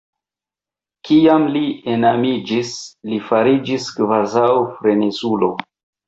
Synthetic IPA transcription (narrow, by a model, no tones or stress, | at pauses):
kijamlienamid͡ʒislifaɾid͡ʒiskvazawfɾe̞nesulo̞